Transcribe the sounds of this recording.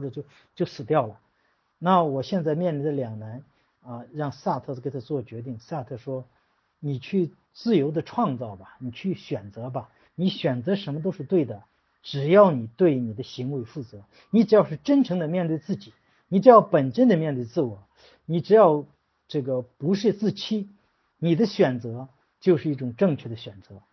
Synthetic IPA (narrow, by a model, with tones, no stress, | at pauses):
xɔ˥˩ʈ͡ʂɤ˨˩t͡ɕjo˥˩ʊ | t͡ɕjo˥˩ʊsɹ̩˨˩t̪jɑ˥˩ʊlə˩ | na˥˩wɔ˨˩ɕjɛ˥˧nt͡sa˥˧ɪmjɛ˥˧nli˧˩nd̪ə˧ljɑ˨˩ŋna˧˥n | ə˥˧ɻɑ˥˧ŋsa˥˧t̪ʰɤ˥˧˩ke˥t̪ʰa˧˥t͡swɔ˥˩t͡ɕɥɛ˧˥t̪i˥˩ŋsa˥˧t̪ʰɤ˥˩ʂwɔ˥ | ni˨˩t͡ɕʰy˥˧ | t͡sɹ̩˥˩jo˧˥ʊd̪ə˧ʈ͡ʂʰwɑ˥˧ŋt͡sɑ˥˩ʊbɐ˩ni˨˩t͡ɕʰy˥˩ɕɥɛ˨˩nt͡sɤ˧˥bɐ˧ | ni˧˥ɕɥɛ˨˩nt͡sɤ˧˥ʂə˧˥nmə˧t̪̬o˥ʊʂɻ̩˥˧t̪we˥˩ɪd̪ə˩ | ʈ͡ʂɻ̩˨˩jɑ˥˩ʊni˨˩t̪we˥˩ɪni˨˩d̪ə˦ɕi˧˥ŋwe˧˥ɪfu˥˩t͡sɤ˧˥ | ni˧˥ʈ͡ʂɻ̩˧˥jɑ˥˧ʊʂɻ̩˥˩ʈ͡ʂə˥nʈ͡ʂʰɤ˧˥ŋd̪ə˧mjɛ˥˧nt̪we˥˧ɪt͡sɹ̩˥˩t͡ɕi˨˩˦ | ni˨˩ʈ͡ʂɻ̩˧˦jɑ˥˩ʊpə˨˩nʂə˥nd̪ə˨mjɛ˥˧nt̪we˥˧ɪt͡sɹ̩˥˩wɔ˨˩˦ | ni˨˩ʈ͡ʂɻ̩˧˥jɑ˥˧ʊ | ʈ͡ʂɤ˥˩ɡə˩pu˧˥ʂɻ̩˥˧t͡sɹ̩˥˩t͡ɕʰi˥ | ni˨˩d̪ə˦ɕɥɛ˨˩nt͡sɤ˧˥ | t͡ɕjo˥˧ʊʂɻ̩˥˧i˥˩ʈ͡ʂʊ˨˩ŋʈ͡ʂɤ˥˧ŋt͡ɕʰɥɛ˥˩d̪ə˩ɕɥɛ˨˩nt͡sɤ˧˥